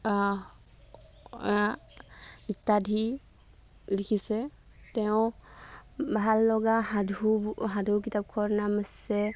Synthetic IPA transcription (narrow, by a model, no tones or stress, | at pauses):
it̪ːadʱi | likʰisɛ | tɛʊ̃ | bʱalːɔɡahadʱuɦadʱuk̬itap̚kʰɔɹnaməsɛ